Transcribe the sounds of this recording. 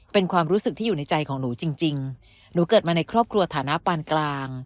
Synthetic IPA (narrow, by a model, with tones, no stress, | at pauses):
pe˧nkʰwaː˧mɾuː˦˥sɯ˨˩k̪̚ʰiː˥˩˨na˧jt͡ɕa˧jkʰɔː˩˦ŋnuː˩˦t͡ɕi˧ŋt͡ɕi˧ŋ | nuː˩˦kɤː˨˩t̪̚maː˧na˧jkʰɾɔː˥˩p̚kʰɾu˧ɐt̪ʰaː˩˦na˦˥paː˧nklaː˧ŋ